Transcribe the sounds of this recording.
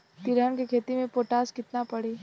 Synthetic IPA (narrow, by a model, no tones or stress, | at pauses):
t̪ɪɾənkekʰeːt̪imẽpoːʈaːskɪt̪napɐɽeː